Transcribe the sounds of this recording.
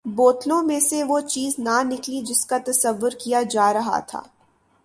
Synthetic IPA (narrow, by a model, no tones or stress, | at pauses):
boːt̪lõmẽseʋot͡ʃiːznanɪklid͡ʒɪskat̪ɐsɐʋːʊɾkijad͡ʒaːɾɐɦa̰t̪ʰa̰ː